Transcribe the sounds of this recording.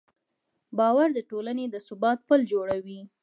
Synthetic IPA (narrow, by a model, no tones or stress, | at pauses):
bɑwaɾd̪əʈolaned̪əsʊbɑt̪̚pəld͡ʒoɽawi